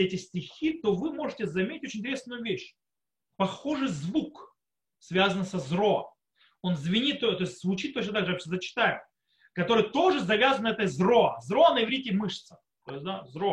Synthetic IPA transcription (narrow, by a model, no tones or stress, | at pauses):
ɛtʲɪsʲtʲɪxʲit̪ovɨmo̞ʐɨtʲɪzɐmʲeɪtʲoɪnʲtʲɾʲesnʊjʊvʲeɕ | pɐxo̞ʐɨjzvuk | svʲazənsɐzroə̰ | o̞nzvʲɪnʲit̪ːot̪o̞ɪsʲtʲzvʊt͡ɕit̪ːot͡ɕnət̪aɡʐɨjapɕʲzət͡ɕɪ̥t̪ajʊ | kɐt̪o̞ɾɨjət̪o̞ʐɨzɐvʲazənɛt̪əzro̞əzɾo̞nəjɪvɾʲitʲɪmɨʂt̪sə̥ | t̪ojɪs̚ʲd̪azɾo